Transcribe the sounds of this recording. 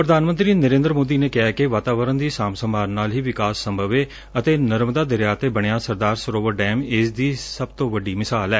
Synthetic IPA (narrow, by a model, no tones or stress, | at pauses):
pɾəd̪aːnmə̃nt̪ɾiːnəɾẽːnd̪ɾmoːd̪iːneːkɪɦaːkeʋaːt̪aːʋəɾənd̪iːsaːmsəmaːɾnaːlɦiːʋɪkaːsːəmbʱəʋeː | ət̪eːnəɾmd̪aːd̪əɾjaːt̪eːbəɽ̃ejãːsəɾd̪aːɾsəɾoːʋəɾɖɛːmɪsd̪iːsəb̚t̪õːʋəɖiːmɪsaːlɛː